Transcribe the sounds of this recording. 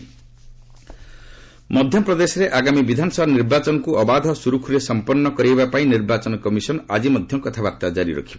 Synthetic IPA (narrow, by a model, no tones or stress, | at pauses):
mɔd̪ʱjɔpɾɔd̪esɔɾeʔaɡamibid̪ʱanɔsɔbʱaniɾbat͡ʃɔnɔkuʔɔbad̪ʱɔsuɾukʰuɾesɔmpɔɾnːɔkɔɾijbapaĩniɾbat͡ʃɔnɔkɔmisɔnɔad͡ʒimɔd̪ʱjɔŋkɔt̪ʰabaɾt̪ad͡ʒaɾḭɾɔ̰kʰiba